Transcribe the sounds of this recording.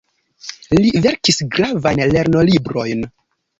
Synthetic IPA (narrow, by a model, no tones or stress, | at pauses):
live̞ɾkisɡɾavajnle̞ɾno̞libɾo̞jn